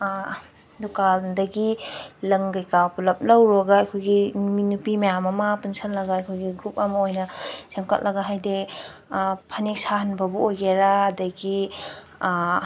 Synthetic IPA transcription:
dukaldɐɡilɐŋɡɐjkawpulɐp̚lɐwɾoɡaɐjkʰojɡiminupimɐjamɐmɐpunsɐnlɐɡaɐjkʰojɡiɡɾup̚ɐmɐojnɐsemkɐt̚lɐɡaɦajde | pʰɐnek̚sahɐnbɐbuojɡeɾaːdɐɡi

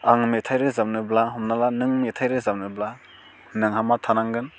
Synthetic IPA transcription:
aŋmitʰajɾɯzamnɯblaɦɔmnalanɯŋmetʰajɾɯzamnɯbla | nɯŋɦamatʰanaŋɡɯn

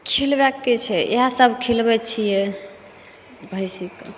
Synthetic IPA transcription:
kʰilbɛkːet͡ʃʰɛeɦasəbʱkʰilbɛt͡ʃʰijɛ | bʱəjsik

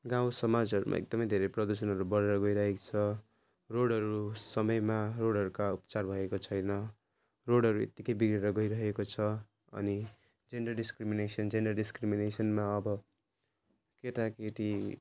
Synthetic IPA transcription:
ɡãw̃sʌmad͡zʌɾṵmʔa̰ḛk̚d̪ʌmʌjd̪ʱeɾeprʌd̪usʌnɦʌɾubʌɾeɾʌɡʌjɾʌɦekt͡sʰʌ | roɽɦʌɾusʌmʌjmaroɽʱɦʌɾukaupʌ̥t͡sarbʱʌekot͡sʰʌjnʌ | roɽɦʌɾuḛt̪ːikʌjbiɡreɾʌɡʌjɾʌɦekot͡sʰʌ | ʌ̰ni | d͡zenɖʌrɖiskriminesʌnd͡zenɖʌrɖiskriminesʌnmaʌbʌ | ket̪akeʈi

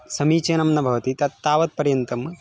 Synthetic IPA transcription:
sɐmiːt͡ʃɐnɐmnɐbʱɐʋɐt̪it̪ɐt̪t̪ːaːʋɐt̪̚pɐɾjɐnt̪ɐm

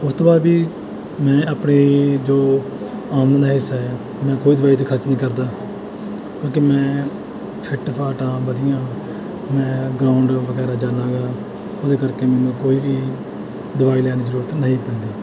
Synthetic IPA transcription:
ʊst̪oːbaːd̪biː | mɛ̃ːaːpneːd͡ʒoː | aːmnə̃ːd̪aːɦɪsːaːɦɛː | mɛ̃ːkoːiːd̪ʊʋaːiːt̪̬eːkʰəɾt͡ʃnĩːkəɾd̪aː | kõːkemɛ̃ː | pʰɪʈpʰaːʈãːbəd̪ɪjãː | mɛ̃ːɡɾaːʊɳɖʋəɡɛːɾaːd͡ʒaːlãːɡaː | ʊd̪eːkəɾkeːmɛːnũːkoːiːbiː | d̪ʊʋaːiːlɛːniːd͡ʒəɾuːɾət̪nəɦĩːpɛ̃ːnd̪iː

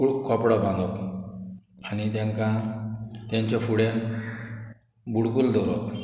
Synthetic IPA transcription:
ukʰɔpɽɔbãnd̪ɔ | anit̪ɛ̃ŋkã | t̪ɛ̃ɲt͡ɕɔfuɽen | buɽkuld̪ɔɾɔ

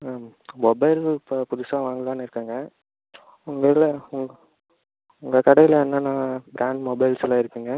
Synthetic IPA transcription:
mɔbɐɪlppʊðʊsaːʋaːŋɡɪlaːnɪɾɯkːaːŋɡɐ | ʊŋɡɐɪlɐʊŋɡ | ʊŋɡɐkɐɽɐjɪlɛnːɐnãːbɾaːɳɖmɔbɐɪlsɪlãːɪɾɯkːɯŋɡɐ

